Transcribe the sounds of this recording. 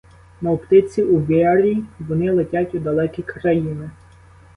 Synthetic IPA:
nɐɔpt̪ɪt͡sʲiuʋʲiɑɾʲiʋɔnɪlˠetʲatʲud̪ɐlˠɛkʲijkɾɐjinɪ

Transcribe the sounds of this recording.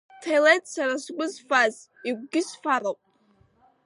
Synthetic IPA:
tʰejlejtʰʼsaɾasɡʷʼʊzfaz | iɡ̚ʷɡʲɪsfaɾowpʼ

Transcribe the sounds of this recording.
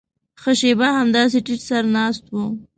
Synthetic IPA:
xəʃebaɦamd̪ɑs̬eʈiʈsaɾnɑst̪wu

